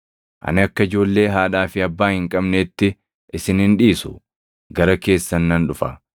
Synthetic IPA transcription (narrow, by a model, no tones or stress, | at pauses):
ʔɐ̰nɪɐkːɐɪd͡ʒo̞ːlːe̞ːɦaːᶑaːfɪɐbːaːhɪŋkʼɐbneːt̪ːɪ | ʔɪsɪnhɪnᶑiːsʊ̰ | ɡɐɾɐke̞ːsːɐnːɐnᶑʊfɐ̰